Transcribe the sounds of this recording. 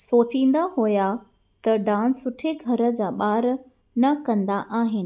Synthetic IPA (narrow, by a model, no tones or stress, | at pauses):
soːt͡ɕĩːn̆d̪aɦuja | t̪ɐɖãːnsʊʈʰeɡʱɐɾə̆d͡ʑaːɓaːɾ | nɐkɐ̃nd̪aʔaːɦɪnɪ̆